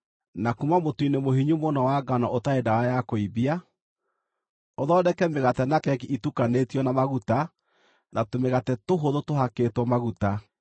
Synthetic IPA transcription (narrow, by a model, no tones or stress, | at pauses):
nakumamotwinemoɦiɲumonɔwaɡanɔʔotaedawajakoibia | oðɔːdɛkɛmeɣatɛnakɛkiʔitukanetiɔnamaɣuta | natomeɣatɛtoɦoðotoɦakeːtwɔmaɣuta